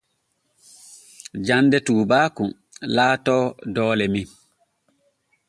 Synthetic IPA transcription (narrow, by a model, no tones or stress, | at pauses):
d͡ʒanːdɛtuːbaːku | laːtɔːdɔːlɛmi